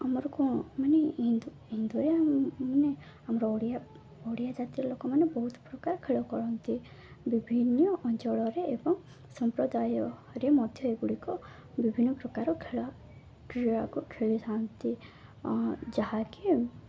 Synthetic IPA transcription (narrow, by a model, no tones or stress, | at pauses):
amɔɾɔkumaneid̪u | ɦind̪uɾemane | amɔɾɔɽia | ɔɽijad͡ʒat̪iɾɔlokɔmanebɔɦut̪pɾɔkaɾɔkʰeɭɔkɔɾɔnt̪i | bibʱinːɔʔɔnt͡ʃɔɭɔɾeebɔŋ | sɔmpɾɔd̪ajɔɾemɔd̪ʱjɔeɡuɽikɔ | bibʱinːɔpɾɔkaɾɔkʰea | kɾiakukʰeɭit̪ʰaɔnt̪i | d͡ʒaɦaki